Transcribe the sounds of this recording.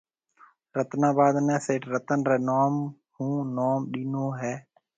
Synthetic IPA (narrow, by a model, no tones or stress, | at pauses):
ɾət̪naːbaːd̪nɛ̃ːseːʈʰɾət̪ənɾɛːnoːm | hũːnoːmɗiːnoːɦɛː